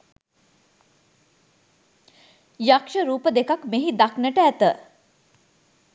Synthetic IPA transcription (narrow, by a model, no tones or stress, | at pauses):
jakʂəɾuːpəd̪ekakmeɦid̪aknəʈəæt̪ə